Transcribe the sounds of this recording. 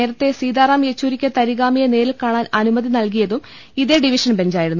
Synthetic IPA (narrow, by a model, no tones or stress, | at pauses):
e̞ːɾɐt̪ːe̞siːd̪aːɾaːmjet͡ɕːuːɾikʲːɐt̪ɐɾiɣaːmijɐne̞ːɾilkaːɳaːnɐnumɐðinɐlk̬ijɐðum | iðeɖiʋiʂɐnbe̞nd͡ʑaːjiɾɽunː